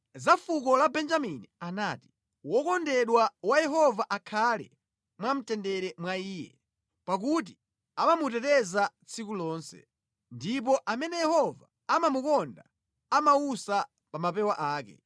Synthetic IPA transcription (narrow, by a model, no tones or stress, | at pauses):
zafukɔlabɛnd͡ʒaminianaːti̥ | wɔkɔndɛɗwawajɛɦɔvaʔakʰalɛ̰ | mwam̩tɛndɛɾɛmwaiːjɛ̰ | pak̬ut̬i | amamutɛtɛzat͡sʰikulɔːnsɛ̰ | ndip̬ɔʔamɛnɛjɛhɔva | amamukɔnda | amausa | pamapɛwaʔaːkɛ̰